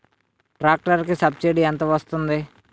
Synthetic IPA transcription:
ʈɾaːk̚ʈəɾkesab̚t͡ʃeːɽiãnt̪̬oʋəst̪ʊ̃nd̪eː

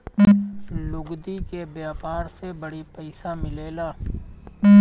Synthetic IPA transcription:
lʊɡd̪ikebjaːpaːɾsebəɽipɛɪsamɪleːlaː

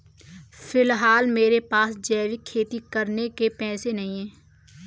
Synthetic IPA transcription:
fɪlɦaːlmeːɾepaːsd͡ʒɛːʋɪkʰːeːt̪ikəɾnekepɛ̃ːsenɐɦĩɦɛ̃ː

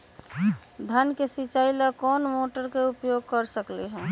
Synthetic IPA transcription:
d̪ʱənkesit͡ʃailakɔːnmoʈəɾkeupjoɡ̚kəɾsəkleɦɛ̃ː

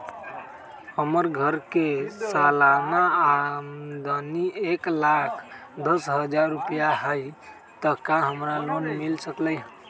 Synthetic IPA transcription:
həməɾɡʱəɾkesalanaamd̪ənieklakʰd̪əsɦəd͡ʒaɾːupjaɦəj | t̪əkaɦəmɾalonmilsəklə

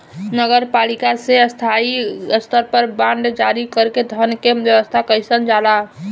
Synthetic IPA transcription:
nəɡəɾpalikaseəst̪ʰaiəst̪ʰəɾpəɾbãɳɖd͡ʒaɾikəɾked̪ʱənkejəwəst̪ʰakəjsənd͡ʒala

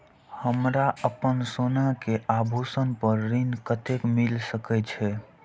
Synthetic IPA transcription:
həmɾaʔəpənsonakeʔabʱusənpəɾːinkət̪ekmilsəkɛt͡ʃʰɛ

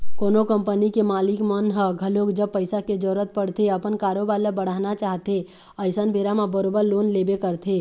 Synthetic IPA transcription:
koːnokəmpənikemaːlɪkmənɦəɡʱəlokd͡ʒəb̚pəɪsaked͡ʒɔɾət̪̚pəɽt̪ʰeəpənkaːɾobaːləbəɽ̤aːnat͡ʃaːɦt̪e | əɪsənbʱeːɾamãbəɾoːbəɾloːnleːbekəɾt̪ʰe

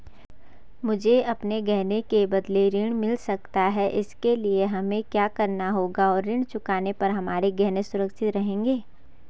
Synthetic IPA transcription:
mʊd͡ʒʱeɐpneɡɛɦnekebɐd̪leɾɪɽ̃mɪlsɐk̚t̪aɦɛʔɪskelieɦɐmẽkjaːkɐɾnaɦoːɡaɔːɾːɪɽ̃t͡ʃʊkaːnepɐɾɦɐmaːɾeɡɛɦnesʊɾəkʃɪt̪ɾɐɦẽːŋɡeː

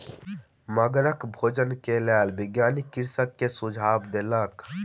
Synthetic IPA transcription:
məɡɾəkbʱoːd͡ʒənkelɛːlbiɡjaːnikiɾsəkːesud͡ʒʱabd̪elək

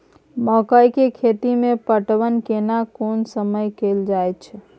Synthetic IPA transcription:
məkəjkekʰet̪imepəʈʋənkenakonsəməjkeld͡ʒajt͡ʃʰ

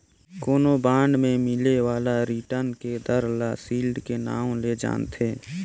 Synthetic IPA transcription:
koːnobãːɳɖmẽmɪlewaːlaɾiːʈəɾnked̪əɾlaːsiːlɖkena̰ːõled͡ʒa̰ːnt̪ʰeː

